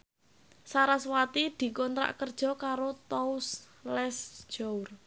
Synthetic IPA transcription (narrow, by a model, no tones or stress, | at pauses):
saɾaswat̪id̪̥i̤kɔnt̪ɾa̰ʔkərd̥ʒ̥ɔ̤kaɾot̪ɔus | lɛsd͡ʒ̥ɔur